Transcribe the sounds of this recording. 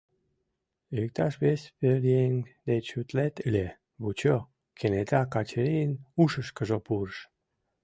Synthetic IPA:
ek̚t̪aʃβespeɾieŋd̪et͡ɕut̪let̪əlʲe | βut͡ɕo | kʰenet̪akɑt͡ɕəɾinuʃəʃkəʒopurʃ

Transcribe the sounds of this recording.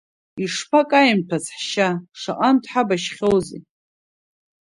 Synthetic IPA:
iʂpʰakʼajimtʰazħʃaʂa̰ʔʼantʰʼħabaʃχʲowzḛ

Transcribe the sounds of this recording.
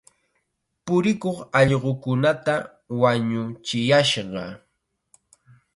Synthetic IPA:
pʊɾɪkoχɑʎɢokʊnat̪a | waɲʊt͡ʃɪjaʃɢɑ̰

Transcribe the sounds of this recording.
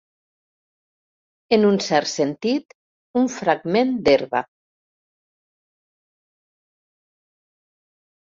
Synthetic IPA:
enunsɛɾt̪sent̪it̪ | uɱfɾaɡmẽnd̪eɾβa̰

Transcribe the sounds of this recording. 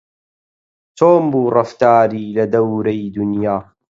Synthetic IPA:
t̪ʰoːmbuːrɐft̪aːɾiːlɐd̪ɐwɾɐjd̪ʊnjaː

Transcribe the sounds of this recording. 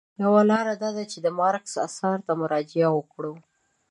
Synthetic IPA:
jawalɑɾad̪ɑd̪at͡ʃed̪əmɑɾksa̰sɑɾt̪amʊɾɑd͡ʒɪawəkɽow

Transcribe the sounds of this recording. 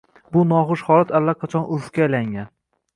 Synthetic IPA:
bʊnɒχʊʃχɒlat̪ʰalːaqʰɑt͡ʃʰɒnʔʊɾfkʲalaŋʲan

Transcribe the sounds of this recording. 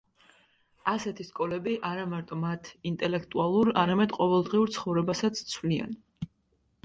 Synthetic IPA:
asɛt̪ʰiskʼɔlɛbiʔaɾamaɾt̪ʼɔmat̪ʰint̪ʼɛlɛkʰt̪ʼualˠuɾaɾamɛd̪qʼɔvɛlˠd̪ʁiuɾt̪sʰχɔvɾɛbasat̪sʰt̪sʰvlia̰n

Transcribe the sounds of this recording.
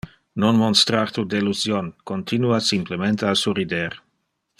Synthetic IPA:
nonmonst̪ɾart̪ud̪eluzjonkont̪inuasimplement̪ealsurid̪eɾ

